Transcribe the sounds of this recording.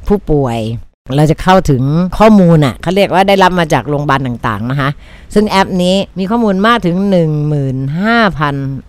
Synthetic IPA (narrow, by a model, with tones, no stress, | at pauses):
pʰuː˥˩pu˨˩əj | ɾa˧wt͡ɕa˨˩kʰa˥˩wt̪ʰɯ˩˦ŋkʰɔː˥˩muː˧nʔa̰˨˩kʰa˦˥˩ɾi˥˩ək̚waː˥˩daː˥˩jɾa˦˥p̚maː˧t͡ɕaː˨˩k̚ɾoː˧ŋbaː˧nt̪a˨˩ŋt̪a̰ː˨˩ŋna˦˥kʰa˦˥ʔ | sɯ˥˩ŋʔɛ˦˥p̚niː˦˥miː˧kʰɔː˥˩muː˧nmaː˥˩k̚t̪ʰɯ˩˦ŋnɯ˨˩ŋmɯː˨˩nɦaː˥˩pʰa˧n